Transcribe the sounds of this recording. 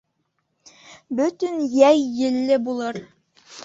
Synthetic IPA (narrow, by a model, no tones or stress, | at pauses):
bɵt̪ɵnjæjːɘ̆lːɘbulˠɤɾ